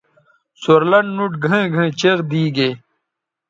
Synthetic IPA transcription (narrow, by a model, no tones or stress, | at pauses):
soɾlɐɳɖnuʈɡʱẽɡʱẽːt͡ɕeɣd̪iːɡeː